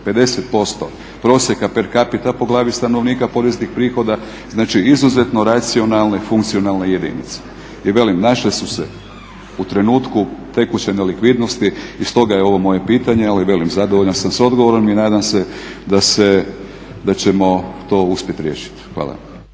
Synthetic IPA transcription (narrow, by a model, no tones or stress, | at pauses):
pe̞d̪e̞set̪̚po̞st̪o̞ | pɾo̞ːsje̞kapeɾkapit̪apo̞ɡlˠaːʋist̪ano̞ʋniːkapo̞ɾeznixpɾiːxo̞d̪a | znaːt͡ʃiizuze̞t̪no̞ɾat̪sio̞nalˠne̞fuŋkt̪sio̞nalˠne̞je̞d̪ḭnḭt̪se̥ | iʋe̞limnaʃlisusḛ | ut̪ɾe̞nuːt̪kut̪e̞kut͡ɕenelikʋid̪nost̪iist̪o̞ɡajeo̞ʋo̞mo̞je̞piːt̪aɲealiʋe̞limzad̪oʋo̞ʎansamso̞d̪ɡoʋoɾominaːd̪amse̞d̪ase | d̪at͡ɕemo̞t̪o̞ːuspʲje̞t̪ɾjḛːʃi̥t̪xʋa̰ːlˠa̰